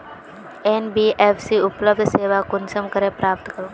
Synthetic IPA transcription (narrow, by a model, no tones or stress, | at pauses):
enbiːʔepʰsiʊpləb̚d̪ʱseːʋakʊnsəmkəɾepɾaːp̚t̪kəɾũː